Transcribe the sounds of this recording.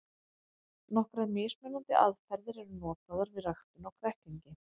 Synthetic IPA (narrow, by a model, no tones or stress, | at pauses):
nɔhkɾaðmɪsmɛnant̪ɪʔaðfɛɾðɪɾɛɾʏnɔːt̪aðaɾvɪðraxt̪ʏnawkʰɾɛhk̪iɲcɪ